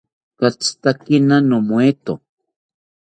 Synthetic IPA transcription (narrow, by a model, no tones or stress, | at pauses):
kat͡st̪akinanomoet̪o